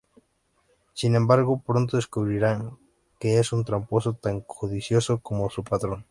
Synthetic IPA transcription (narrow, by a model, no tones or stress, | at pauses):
sinẽmbaɾɣopɾont̪oðeskuβɾiɾaŋ | keesunt̪ɾamposot̪aŋkʰoðisjosokomosupat̪ɾoŋ